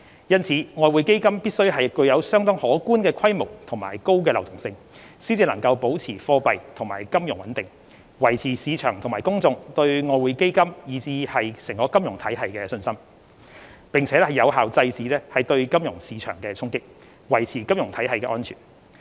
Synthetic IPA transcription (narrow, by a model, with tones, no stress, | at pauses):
jɐ˥nt͡sʰiː˨˧ŋɔː˧jwuː˨˧jke˥jkɐ˥mpiː˥t̚sɵ˥ɥɦɐ˨jkɵ˧ɥjɐ˨˧wsœː˥ŋt̪ɔ˥ŋhɔː˨˥kuː˥nkɛː˧kʰɐ˥jmo˨˩wt̪ʰʊ˨˩ŋmaː˨˩jko˥wkɛː˧lɐ˨˩wt̪ʊ˨˩ŋsɪ˧ŋ | siː˥nt͡siː˧lɐ˨˩ŋkɐ˧wpo˨˥wt͡sʰiː˨˩fɔː˧pɐ˨jt̪ʰʊ˨˩ŋmaː˨˩jkɐ˥mjʊ˨˩ŋwɐ˨˥nt̪ɪ˨˩ŋ | wɐ˨˩jt͡sʰiː˨˩siː˨˧t͡ʃʰœː˨˩ŋt̪ʰʊ˨˩maː˨˩jkʊ˥ŋt͡sʊ˨ŋt̪ɵ˧ɥŋɔː˧jwuː˨˧jke˥jkɐ˥mjiː˨˩t͡siː˨˧hɐ˨jsɪ˨˩ŋkɔː˨˥kɐ˥mjʊ˨˩ŋt̪ʰɐ˨˥jɦɐ˨jkɛː˧sɵ˧nsɐ˥m | pɪ˨ŋt͡sʰɛː˨˥lɛ˥hɐ˨jɐ˨˧wɦaː˨wt͡sɐ˧jt͡siː˨˥lɛː˥hɐ˨˩jt̪ɵ˧ɥkɐ˥mjʊ˨˩ŋsiː˨˧t͡ʃʰœ̰ː˨˩ŋkɛː˧t͡sʰʊ˥ŋkɪ˥k̚ | wɐ˨˩jt͡sʰiː˨˩kɐ˥mjʊ˨˩ŋt̪ʰɐ˨˥jɦɐ˨jkɛː˧ʔɔː˥nt͡ʃʰyː˨˩n